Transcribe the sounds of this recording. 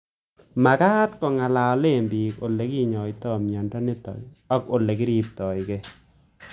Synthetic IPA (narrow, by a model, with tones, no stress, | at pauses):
ma˨ka˦tkɔ˨ŋa˨la˨ɔ˨le˦˨mbi˨ko˨le˨ki˦ɲɔ˨jtɔ˦˨mja˨ndɔ˦nɪ˦tɔ̰˨jɔ˦ko˨le˨kɪ˦ɾi˦p̚tɔ˨jke˦